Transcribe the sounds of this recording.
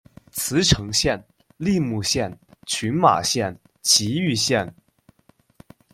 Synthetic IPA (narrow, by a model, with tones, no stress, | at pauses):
t͡sʰɹ̩˧˥ʈ͡ʂʰɤ˧˥ŋɕjɛ˥˧n | li˥˧mu˥˧ɕjɛ˥˩nt͡ɕʰy˧˥nma̰˨˩ɕjɛ˥˩n | t͡ɕʰi˧˥y˥˧ɕjɛ˥˩n